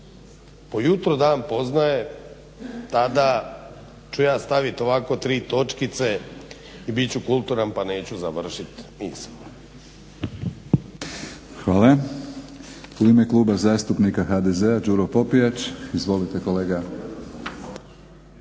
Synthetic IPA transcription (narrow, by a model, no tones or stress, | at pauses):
pojut̪ɾod̪aːnpo̞znaje | t̪ad̪a | t͡ɕujaːst̪aʋit̪oʋakot̪ɾiːt̪o̞t͡ʃkit̪se | ibit͡ɕukulˠt̪uɾanpaneːt͡ɕuzaʋr̩ʃit̪miːs | xʋaːla | uime̞klˠuːbazaːst̪upnikaxad̪ezead͡ʒuɾopo̞pijat͡ʃizʋo̞lit̪e̞ko̞leːɡa